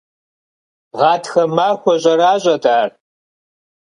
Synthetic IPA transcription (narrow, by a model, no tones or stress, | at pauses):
ʁɑːtʰxɐmaːxʷɔʑʼɐɾaːɕʼɐdaːr